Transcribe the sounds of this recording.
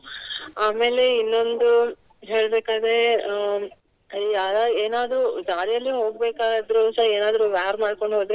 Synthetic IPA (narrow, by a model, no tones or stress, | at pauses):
aːme̞ːle̞inːo̞nd̪u | ɦe̞ːɭɐbeːkaːd̪ɾe | jaːd̪aːɡeːnaːd̪ɾud͡ʒaːɾijɐlːiɦo̞ːɡ̚beːkaːɡɐd̪ɾusɐeːnaːd̪ɾuʋaːɾmaːɖko̞ɳɖɦoːd̪ɾe